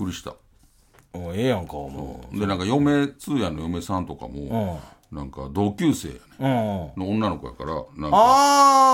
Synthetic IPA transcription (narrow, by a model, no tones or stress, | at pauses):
kɯ̟ɾʲiɕi̥t̪a̰ | oeːjãŋkamo̰d̪e̞nãŋkajo̞me̞t͡sɨːjanːojo̞me̞sãnt̪o̞ka̰mõ̞̰ | nãŋkad̪o̞ːkʲɨːse̞̰ːjanẽno̞õnːano̞kojakaɾa̰nãŋ